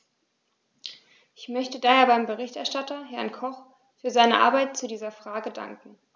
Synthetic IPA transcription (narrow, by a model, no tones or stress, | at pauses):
ʔɪçmœçtədaːheːɐbaɪmbəʁ̞ɪçtɛɐʃtatɐɦɛɐnkʰɔχ | fyːɐzaɪnəʔa̰ɐbaɪt̚t͡sudiːzɐfʁ̥aːɡəda̰ŋkŋ̩